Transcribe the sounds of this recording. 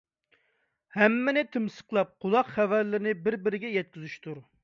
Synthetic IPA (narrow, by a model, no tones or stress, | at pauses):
hɛmːɪnɪt̪ʰɪmsə̥qlˠɑp̚qʰʊlˠɑqχævæɾlɪɾɪnɪbɪɾbɪɾɪɡʲɛjɛt̪̚kʲizyʃt̪ʰuɾ